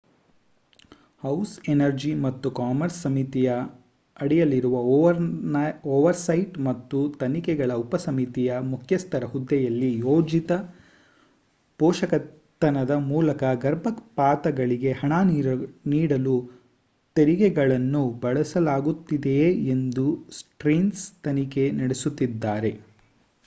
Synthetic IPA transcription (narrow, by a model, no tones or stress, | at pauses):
hɐwsenɐɾd͡ʒimɐt̪ːukaːmɐɾsːɐmit̪ijɐː | ɽɛjɐliɾuʋɐ | oːʋɐɾsɐjʈmɐt̪ːut̪ɐnikɛɡɐɭɐupɐsɐmit̪ijɐmukʰjɐst̪ʰɐɾɐɦud̪ːɛjɐlːijoːd͡ʒit̪ɐ | pɔːʂɐkɐ | t̪ːɐnɐd̪ɐmuːlɐkɐɡɐɾbʱɐkpaːt̪ɐɡɐɭiɡe̞hɐɳaːniniːɽɐlu | t̪eɾiɡɛɡɐɭɐnːubɐɭɐsɐlaːɡut̪ːid̪eend̪usʈɾiːnst̪ɐnike̞nɐɽesut̪ːid̪ːaːɾe̞